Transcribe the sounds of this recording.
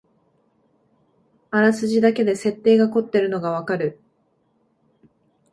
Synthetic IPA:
aɾasɨʑid̪ake̞d̪e̞se̞t̪ːe̞ːɡako̞t̪ːe̞ɾɯ̟no̞ɡaβ̞akaɾɯ̟

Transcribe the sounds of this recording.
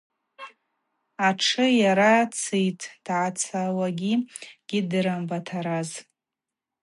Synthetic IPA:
aʈ͡ʂʰɨjaɾat͡sʰijtʰʼd̥ʕat͡sʰawaɡʲiɡ̥ʲidɨɾambatʰaɾaz

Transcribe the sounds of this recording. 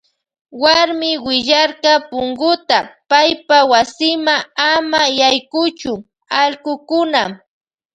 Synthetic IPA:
waɾmɪwɪʎaɾɢɑpʊŋɡʊt̪apajpawasɪmaŋamajajkʊt͡ʃʊ | aʎɢʊkʊnam

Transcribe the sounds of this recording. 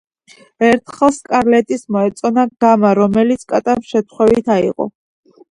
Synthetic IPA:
ɛɾt̪ʰχɛlˠskʼaɾlɛt̪ʼismɔɛt̪sʼɔnaɡ̥amaɾɔmɛlit̪sʰkʼat̪ʼamʃɛt̪ʰχwɛvit̪ʰaḭʁɔ̰

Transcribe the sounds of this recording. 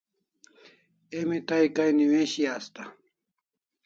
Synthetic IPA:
emit̪aikajniweɕiaːst̪ɐ

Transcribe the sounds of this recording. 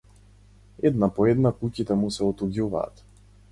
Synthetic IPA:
ɛd̪napɔɛd̪nakucit̪ɛmusɛɔt̪uɡʲuva̰ːt̪

